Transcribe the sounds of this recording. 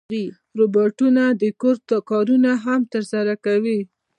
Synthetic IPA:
i | ɾobɑʈunad̪əkoɾt̪kɑɾunaɦamt̪əɾsaɾakawi

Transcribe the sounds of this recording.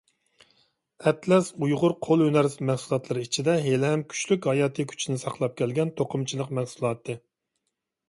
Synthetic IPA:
ɛt̪lɛsujʁʊɾqʰolˠønæɾsmɛhsulˠɑt̪lˠɨɾɨit͡ʃʰid̪ɛɦelɦɛmkʲʰy̥t͡ʃlykʲhɑjɑːt̪ʰɨkʲʰy̥t͡ʃʰinɪsɑqlˠɑp̚kʲʰɛlɡʲɛnt̪ʰoqʰʊmt͡ʃʰilˠəqmæhsulˠɑːt̪ʰɨ

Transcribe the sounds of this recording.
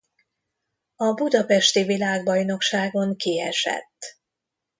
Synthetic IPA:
ɒbud̪ɒpɛʃt̪ivilaːɡbɒjno̞kʃaːɡo̞ŋkiɛʃɛ̰t̪ː

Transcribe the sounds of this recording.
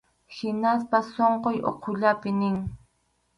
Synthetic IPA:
hɪnaspasoɴqojʔo̰qʰoʎapɪnɪŋ

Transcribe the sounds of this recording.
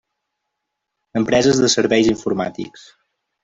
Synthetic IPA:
əmpɾɛzəzðəsəɾβɛjziɱfuɾma̰t̪ḭks

